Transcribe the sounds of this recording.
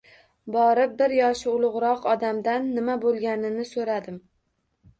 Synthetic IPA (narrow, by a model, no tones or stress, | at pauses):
bɒɾɪp̚bɪɾjɒʃɪʊlˠʊʁɾɒqɒd̪amd̪anːɪmabolˠɡʲanɪnɪsoɾad̪ɪm